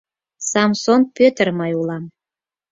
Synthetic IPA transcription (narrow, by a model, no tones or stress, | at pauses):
sɑmsonpʲøt̪ərmɑjulˠɑm